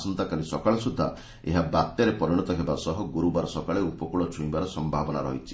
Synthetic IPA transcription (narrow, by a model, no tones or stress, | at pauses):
sɔnt̪akalisɔkaɭɔsud̪ʱːa̰ | ḛɦabat̪jɔɾepɔɾiɽ̃ɔt̪ɔɦebasɔɦɔɡuɾubaɾɔsɔkaɭeupɔkuɭɔt͡ʃʰũibaɾɔsɔmbʱabɔna̰ɾɔ̰ɦit͡ʃʰi̥